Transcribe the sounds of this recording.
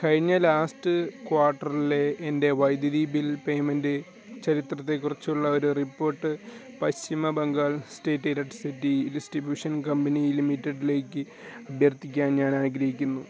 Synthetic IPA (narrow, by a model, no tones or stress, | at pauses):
kɐɻiɲːɐlaːsʈɨkwaːʈːɐrile̞ːnde̞ʋɐjd̪jɐðiːbilpe̞jmendɨ | t͡ɕɐɾit̪rɐt̪ːe̞kːurɐt͡ɕːuɭːɐo̞ɾuripːo̞ːrʈːɨ | pɐɕimɐbɐŋɡaːɭste̞ːtːeɾɐʈsitːidisʈibjuːʂɐnkɐmbɐnilimitːeɖile̞ːkːɨ | ɐbʱjɐrt̪ikʲːaːnɲaːnaːɡɾɐɦikʲːunːu